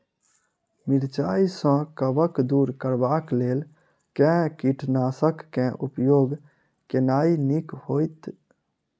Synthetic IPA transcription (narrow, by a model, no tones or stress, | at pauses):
mɪɾt͡ʃaːisə̃kəʋəkd̪uːɾkəɾbaːkleːl | kɛ̃kiʈʰnaːsəkːɛ̃ʔʊpjoːɡ | kenaːinikhoːjt̪